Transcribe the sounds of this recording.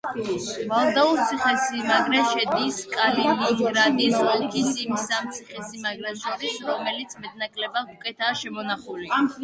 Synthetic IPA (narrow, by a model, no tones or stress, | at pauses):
valˠd̪auɾt̪sʰiχɛsimaɡɾɛʃɛd̪iskʼalimiɡɾad̪isɔlˠkʰisimisamt̪sʰiχɛsimaɡɾɛʃʰɔɾisɾɔmɛlit̪sʰmɛd̪̚nakʼlɛbaukʼɛt̪ʰaːʃɛmɔnaχuli